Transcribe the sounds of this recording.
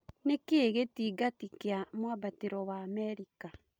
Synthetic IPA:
nekeeɣetiɡatikeamwabateɾɔwaːmɛɾika

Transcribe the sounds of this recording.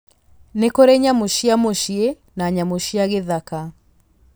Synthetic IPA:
nekoɾɛɲamoʃiamoʃie | naɲamoʃiaɣeðaka

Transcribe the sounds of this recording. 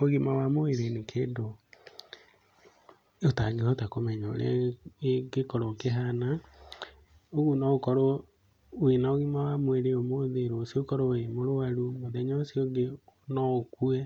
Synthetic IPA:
oɣimawamoeɾenikʰeːndo | otaɡehɔtakomɛɲɔo̰ɾḛ | ɡekɔɾɔkeɦana | oɣunɔokɔɾo | winaoɣimawamoeɾeomoðeɾoːsiokɔɾoemoɾoaɾumoðɛɲɔosioɡenɔokuɛ

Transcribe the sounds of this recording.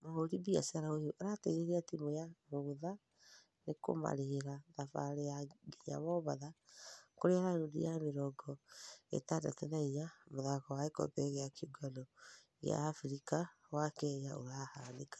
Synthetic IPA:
mahoɾibia̰saɾaojoʔaɾateɣeɾeatimojamoða | neko̰ma̰ɾeeɾaðafa̰ɾeaɡeɲa̰βɔβa̰ðakoɾeaɾaɾudḭjameɾɔɡɔḛtada̰tɛnaijamoðakɔwaekɔ̰bɛɣeakʰiɡɔnɔ | ɣḛa̰ːfuɾika | wakɛjaoɾahanekḁ

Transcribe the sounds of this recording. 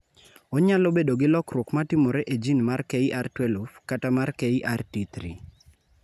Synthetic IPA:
ɔɲalobedoɡɪlɔkrwokmatɪmoɾeʔed͡ʒinmarkeiʔartwɛlufkatamarkeiʔartit̪ɾḭ

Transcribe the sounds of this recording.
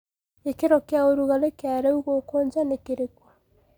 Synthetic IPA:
ekeɾɔkeaoɾuɣalekeaɾɛuɣokoːɲd͡ʒanekeɾekwa

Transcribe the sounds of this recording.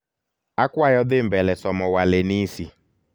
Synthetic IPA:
akwajɔdɪm̩bɛlɛsɔmɔwalenisi

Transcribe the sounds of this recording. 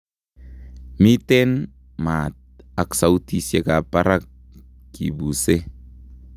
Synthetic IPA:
mit̪en | mat̪̚aksaut̪isjekapaɾak̚ː | ḭbuse

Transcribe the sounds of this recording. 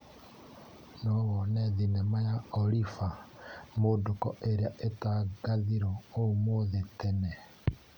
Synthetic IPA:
nɔɣɔneðinemajaoɾifamodokɔʔeɾeaʔetaɡaðiɾɔomoðetɛnɛ

